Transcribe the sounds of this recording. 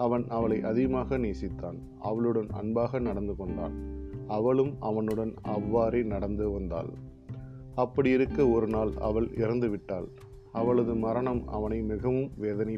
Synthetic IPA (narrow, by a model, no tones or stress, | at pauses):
ɐʋɐnʔɐʋɐɭɐɪʔɐðɪɣɐmaːɣɐneːsɪt̪ːa̰ːn | ʔɐ̰ʋɐɭɯɽɐnɐ̰nbaːɣɐnɐɽɐnd̪ɯkɔɳɖa̰ːnɐʋɐɭɯmɐʋɐnɯɽɐnɐʋːaːɾeɪnɐɽɐnd̪ɯʋɐnd̪a̰ːl | ɐpːɐɽɪjɪɾɯkːɐɔɾɯnaːlɐ̰ʋɐɭɪɾɐnd̪ɯʋɪʈːaːl | ɐʋɐɭɐðɯmɐɾɐɳɐmɐ̰ʋɐnɐɪmɪɣɐʋɯmʋeːðɐnɐɪ